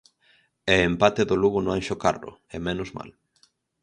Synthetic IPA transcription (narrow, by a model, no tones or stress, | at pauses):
ɛempat̪eðoluɣʊnoaŋʃoka̰rʊ̰ɛmenʊzma̰l